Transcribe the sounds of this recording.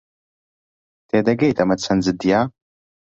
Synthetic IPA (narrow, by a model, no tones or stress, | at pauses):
tʰeːdɐɡejtʰʼɐmɐt͡sʰɐnd͡zɨdijaː